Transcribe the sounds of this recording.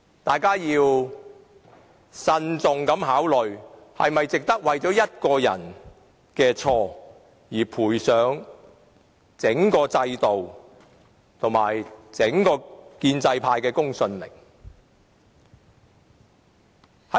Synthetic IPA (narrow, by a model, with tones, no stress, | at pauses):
t̪aː˨jkaː˥jiː˧w | sɐ˧nt͡sʊ˨ŋkɐ˨˥mhaː˨˥wlɵ˨ɥ | hɐ̰˨jmɐ˨jt͡sɪ˨k̚t̪ɐ˥k̚wɐ˨jt͡sɔː˨˥jɐ˥t̚kɔː˧jɐ̰˨˩n | kɛː˧t͡sʰɔː˧ | jiː˨˩pʰuː˨˩jsœː˨˥ŋ | t͡sɪ˨˥ŋkɔː˧t͡sɐ˧jt̪o˨w | t̪ʰʊ˨˩ŋmaː˨˩jt͡sɪ˨˥ŋkɔː˧kiː˧nt͡sɐ˧jpʰaː˧jkɛː˧kʊ˥ŋsɵ˧nmɪ̰˨˩ŋ | hɐ˨˥